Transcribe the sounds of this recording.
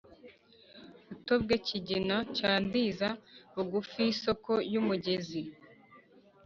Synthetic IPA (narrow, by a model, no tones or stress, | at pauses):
utob̚ɡeciɟinacaːndiːzauɡufiːso̞ko̞jumuɟe̞zi